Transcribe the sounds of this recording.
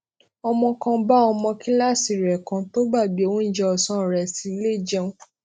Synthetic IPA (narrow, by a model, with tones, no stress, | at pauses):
ɔ˧mɔ̃˧kã˧ba˦ɔ˧mɔ̃˧kĩ˦la˦˨si˨ɾɛ˨kã˨˧to˦ba˦˨bi˨o˧wũ˦n̩˦d͡ʒɛ˦ɔ˧˨sã˦˨ɾɛ˨si˨˦le˦˨d͡ʒɛ˦˧ũ˦